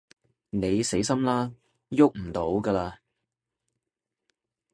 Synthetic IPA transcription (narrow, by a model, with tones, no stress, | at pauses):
ne˨˧jse˨˥jsɐ˥mlaː˥ | jʊ˥k̚m̩˨˩t̪o˨˥wɡaː˧laː˧